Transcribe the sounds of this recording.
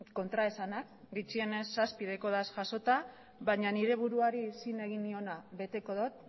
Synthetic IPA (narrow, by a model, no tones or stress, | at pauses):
ko̞nt̪ɾae̞sanak̚ | ɡit͡ʃie̞ne̞sːaspiðeko̞ðasʝaso̞t̪a | βaɲaniɾe̞β̞uɾuaɾisine̞ɣ̞inio̞naβe̞t̪e̞ko̞ðot̪̚